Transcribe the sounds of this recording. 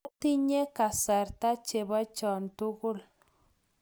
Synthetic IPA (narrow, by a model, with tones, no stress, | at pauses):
ti˦ɲe˦ka˨sa˨ɾta˦t͡ʃe˨βa˦t͡ʃɔ˨ntu˦ɣʊ˦l